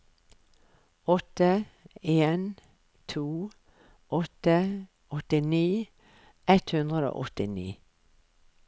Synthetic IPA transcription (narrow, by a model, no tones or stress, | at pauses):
ɔt̪əeːn | t̪ʰuː | ʔɔt̪ə | ɔt̪ɪniː | ʔɛt̪hʉnd̪ʁəd̪o̰ːʔɔt̪ɪnḭː